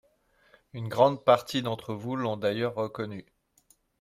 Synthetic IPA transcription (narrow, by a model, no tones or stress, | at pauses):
ynɡʁɑ̃d̪̚paʁt̪id̪ɑ̃t̪χəvulɔ̃d̪ajœʁːəkɔny